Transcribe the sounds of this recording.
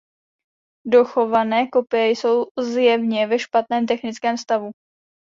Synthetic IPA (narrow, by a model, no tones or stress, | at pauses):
do̞xo̞vanɛːko̞pɪjɛjso̞wzjɛvɲɛvɛʃpat̪nɛːmt̪ɛxnɪt͡skɛːmst̪avu